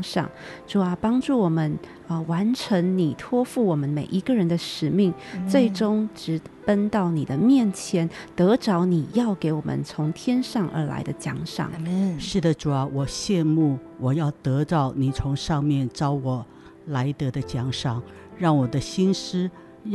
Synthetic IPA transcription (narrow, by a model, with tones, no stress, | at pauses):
ʂɑ̰˨˩ŋʈ͡ʂu˨˩a˧pɑ˥ŋʈ͡ʂu˥˩wɔ˨˩mə˦n | ə˧wa˧˥nʈ͡ʂʰə˧˥ŋni˨˩t̪ʰwɔ˥fu˥˩wɔ˨˩mə˦nme˨˩ɪʔi˧˥ɡə˧ɻə˧˥nd̪ə˧ʂɻ̩˨˩mi˥˩ŋt͡swe˥˩ɪʈ͡ʂʊ˥ŋʈ͡ʂɻ̩˧˥t̪ə˥nt̪ɑ˥˩ʊni˨˩d̪ə˦mjɛ˥˩nt͡ɕʰjɛ˧˥nt̪ɤ˧˥ʈ͡ʂɑ˧˥ʊni˨˩jɑ˥˩ʊke˧˥ɪwɔ˨˩mʔə̰˦nt͡sʰʊ˧˥ŋt̪ʰjɛ˥nʂɑ˥˩ŋʔə̰˞˧˥la̰˧˥ɪd̪ə˧t͡ɕjɑ̰˧˥ŋʂɑ̰˨˩ŋʂɻ̩˥˩d̪ə˩ʈ͡ʂu˨˩a˧˦wɔ˨˩ɕjɛ˥˧nmu˥˩wɔ˨˩jɑ˥˩ʊt̪ɤ˧˥ʈ͡ʂɑ˥˩ʊni˨˩t͡sʰʊ˧˥ŋʂɑ˥˧ŋmjɛ˥˩nʈ͡ʂɑ˥ʊwɔ˨˩˦ | la˧˥ɪt̪ɤ˧˥d̪ə˧t͡ɕjɑ˨˥ŋʂɑ˨˩ŋ | ɻɑ˥˩ŋwɔ˨˩d̪ə˦ɕi˥nʂɻ̩˥